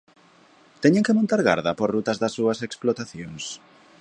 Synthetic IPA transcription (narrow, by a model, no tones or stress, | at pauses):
t̪ɛɲeŋkemõnt̪aɾɣa̰ɾðɐpoɾrut̪ɐzðɐsːuɐseksplot̪aθjoŋs